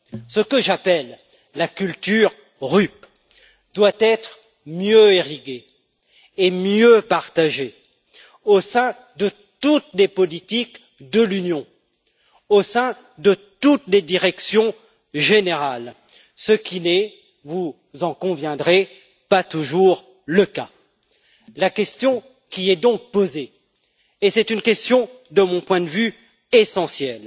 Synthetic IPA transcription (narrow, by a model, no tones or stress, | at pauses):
səkəʒapɛlː | akʲylt̪yʁ | ʁyp | d̪̥wat̪ɛt̪χ | mjøeʁiɡʲeː | mjøpaʁt̪aʒe | osɛ̃ | d̪ə | t̪ut̪lepɔlit̪ik | d̪əlynjɔ̃ | osɛ̃ | d̪ət̪ut̪led̪iʁɛksjɔ̃ | ʒeneʁal | səkʲinɛ | vu | zɑ̃kɔ̃vjɛ̃d̪ʁe | pat̪uʒuʁ | ləka | lakʲɛst̪jɔ̃ | kʲiɛd̪ɔ̃k̚poze | esɛt̪ynkʲɛst̪jɔ̃ | d̪əmɔ̃pwɛ̃d̪əvy | esɑ̃sjɛl